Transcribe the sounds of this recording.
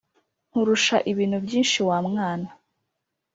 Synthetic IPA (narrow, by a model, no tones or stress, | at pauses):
n̥uɾuʃaʔiβiːn̥hubɟiːnʃiwaːmŋaːna